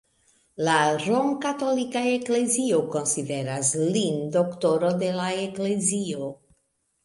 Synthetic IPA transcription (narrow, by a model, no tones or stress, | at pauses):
laɾoŋkato̞likaekle̞zioko̞nside̞ɾaslindo̞kto̞ɾo̞de̞laekle̞zio